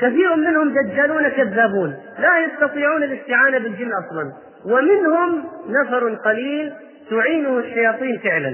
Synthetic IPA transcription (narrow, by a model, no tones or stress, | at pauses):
kaθiːɾʊmːɪnhʊmd̪ad͡ʒːaːluːnakaðːaːbuːn | lajɑst̪ɑt̪ˤiːʕuːnɪlɪst̪ɪʕaːnabɪld͡ʒɪnːʔɑsˤlɑn | wɪmɪnhʊmnafɑɾˤqɑliːl | t̪ʊʕiːnulħajɑːt̪ˤiːnfɪʕlan